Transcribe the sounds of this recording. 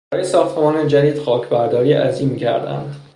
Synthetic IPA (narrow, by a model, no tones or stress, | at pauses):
bæɒːjesɒːxt̪ʰe̞mɒːned͡ʒæd̪iːd̪xɒːcʰbæɾd̪ɒːɾiːʔæziːmiːcʰæ̰ɾd̪æ̰nd̪